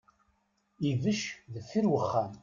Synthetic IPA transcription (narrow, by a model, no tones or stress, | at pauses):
ivəʃðəfːiɾwəχːæm